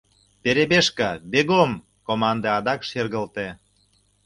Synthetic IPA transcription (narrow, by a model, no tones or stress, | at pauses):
peɾebeʃkɑbeɣom | komɑnd̪eɑd̪ɑkʃerɣə̆lt̪e